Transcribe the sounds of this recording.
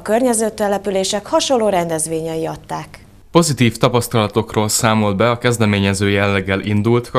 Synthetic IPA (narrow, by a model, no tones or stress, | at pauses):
ɒkørɲɛzøːt̪ːɛlɛpyleːʃɛkhɒʃolːoːɾɛnd̪ɛzʋeːɲɛjiɒt̪ːaːk | po̞zit̪iːft̪ɒpɒst̪ɒlɒt̪o̞kroːlsaːmo̞ld̪̚bɛɒkɛzd̪ɛmeːɲɛzøːjɛlːɛɡːɛlʔind̪ult̪k